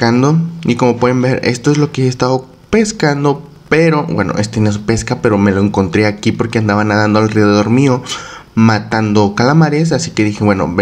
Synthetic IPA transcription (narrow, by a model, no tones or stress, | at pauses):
kand̪o̞iko̞mo̞pwe̞ðembe̞ɾe̞̰st̪o̞e̞zlo̞keeest̪aðo | pe̞skand̪o̞ | pe̞ɾo̞bwe̞̰no̰ʔe̞st̪enes̬upe̞skape̞ɾo̞me̞lo̞eŋko̞nt̪ɾeakipo̞ɾke̞and̪aβanaðand̪oalreðeðo̞ɾmio̞ | mat̪and̪o̞kalamaɾe̞s̬asi̥ke̞ðixe̞βwe̞no̞̰b